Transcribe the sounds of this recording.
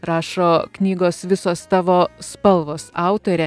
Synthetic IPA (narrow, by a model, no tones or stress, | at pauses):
ɾɑːʃoːknʲiːɡoːsʋʲɪsoːst̪ɑːʋoːspɐlˠʋoːsɑˑʊt̪oːɾʲɛ